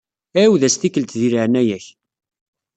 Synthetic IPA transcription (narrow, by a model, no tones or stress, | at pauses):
æwðæst̪ikːəlt̪ðiɾəʕnæjæç